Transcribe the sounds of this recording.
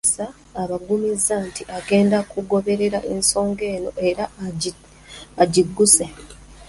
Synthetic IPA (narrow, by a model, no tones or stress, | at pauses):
saː | βaɡumizːantiʔaɡe̞ːndakuɡo̞βe̞ɾe̞ɾaʔe̞ːnso̞ːŋɡe̞ːno̞ʔe̞ɾa | aɟiɡːuse̞